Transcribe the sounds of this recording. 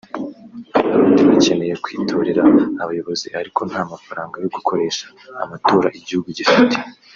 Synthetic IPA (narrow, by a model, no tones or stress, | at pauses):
a̰βaːndiβace̞ne̞jekwiːtʰo̞ɾeɾaːβajo̞βo̞zihaɾikʰo̞n̥haːmafaɾaːŋɡajo̞ɡukʰo̞ɾe̞ːʃḁ̰ː | matoːɾaʔiɟihuɡuɟifite̥